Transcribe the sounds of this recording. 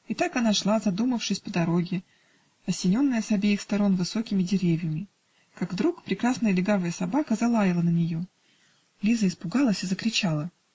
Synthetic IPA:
ɪt̪akɐnaʂlˠazɐd̪uməfʂɨsʲpəd̪ɐɾo̞ɡʲɪ | ɐsʲɪnʲo̞nːəjəsɐbʲejɪxst̪ɐɾo̞nvɨso̞kʲɪmʲɪdʲɪɾʲevʲjəmʲɪ | kaɡvd̪ɾukpɾʲɪkɾasnəjəlʲɪɡavəjəsɐbakəzɐlˠajʲɪlˠənənʲɪjo̞ | lʲizəɪspʊɡalˠəsʲɨzəkɾʲɪt͡ɕalˠə

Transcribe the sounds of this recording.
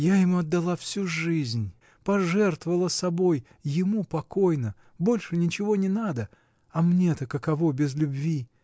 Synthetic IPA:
jajɪmuɐd̪ːɐlˠafsʲuʐɨzʲnʲ | pɐʐɛrt̪vəvəlˠəsɐbo̞jː | ɪmupɐko̞jnə | bo̞lʲʂɨnʲɪt͡ɕɪvonʲɪnad̪ə | ɐmnʲet̪əkəkɐvo̞bʲɪzlʲʊbvʲi

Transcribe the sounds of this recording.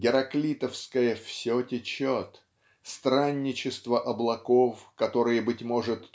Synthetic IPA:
ɡʲɪɾɐklʲit̪əfskəjəfsʲotʲɪt͡ɕot̪ | st̪ɾanʲːɪt͡ɕɪst̪vəʔɐblˠɐko̞fkɐt̪o̞ɾɨjəbɨtʲmo̞ʐɨt̪

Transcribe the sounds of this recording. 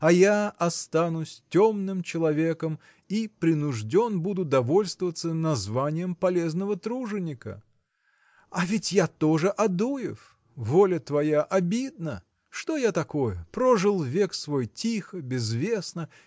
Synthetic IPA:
ɐjaɐst̪anʊsʲtʲomnɨmt͡ɕɪlˠɐvʲekəm | ipɾʲɪnʊʐdʲo̞nbud̪ʊd̪ɐvo̞lʲst̪vəvət̪sənɐzvanʲɪjəmpɐlʲe̞znəvət̪ɾuʐɨnʲɪkə̰ | ɐvʲɪtʲjat̪o̞ʐɨʔɐd̪ujɪf | volʲət̪vɐjaʔɐbʲid̪̚nə | ʂt̪o̞jat̪ɐko̞jəpɾoʐɨlˠvʲeksvo̞jtʲixəbʲɪzvʲesnə

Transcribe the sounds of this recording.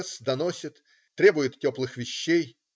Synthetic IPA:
sd̪ɐnosʲɪt̪ː | ɾʲe̞bʊjɪt̪tʲoplˠɨxvʲɪɕːej

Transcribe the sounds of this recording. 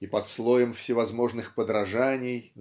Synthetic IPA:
ipɐt̪slˠojəmfsʲɪvɐzmo̞ʐnɨxpəd̪ɾɐʐanʲɪj

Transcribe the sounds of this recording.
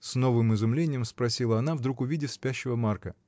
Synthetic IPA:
sno̞vɨmɪzʊmlʲenʲɪjəmspɾɐsʲilˠəɐn̪avd̪ɾukʊvʲidʲɪfspʲæɕːɪvəmarkə

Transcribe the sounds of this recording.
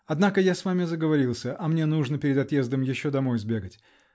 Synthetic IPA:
ɐd̪nakəjasvamʲɪzəɡəvɐɾʲilˠsʲəʔɐmnʲenuʐnəpʲɪɾʲɪd̪ɐt̪je̞zd̪əmjɪɕːod̪ɐmo̞jzbʲe̞ɡətʲ

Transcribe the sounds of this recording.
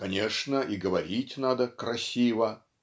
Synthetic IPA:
kɐnʲeʂnəʔiɡəvɐɾʲitʲnad̪əkɾɐsʲivə

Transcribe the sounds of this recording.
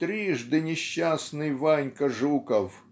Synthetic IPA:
t̪ɾʲiʐd̪ɨnʲɪɕːasnɨjvanʲkɐʐukəf

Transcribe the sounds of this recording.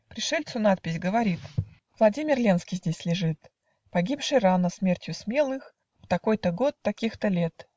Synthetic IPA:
pɾʲɪʂɛlʲt̪sʊnat̪̚pʲɪsʲɡəvɐɾʲit̪ | vlˠɐdʲimʲɪrlʲe̞nskʲijzʲdʲesʲlʲɪʐɨt̪ | pɐɡʲipʂɨjranəsmʲertʲjʊsmʲe̞lˠɨx | ft̪ɐko̞jt̪əɡo̞t̪ːɐkʲixt̪əlʲet̪

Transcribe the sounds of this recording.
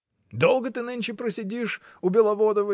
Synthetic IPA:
d̪o̞lˠɡət̪ɨnɨnʲt͡ɕɪpɾəsʲɪdʲiʂ | ʊbʲɪlˠɐvod̪əvə

